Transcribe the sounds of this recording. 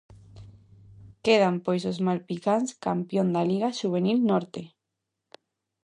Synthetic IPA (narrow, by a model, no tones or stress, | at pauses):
keð̞ampojsozmalpikanskampjond̪aliɣaʃuβ̞enilnɔɾt̪e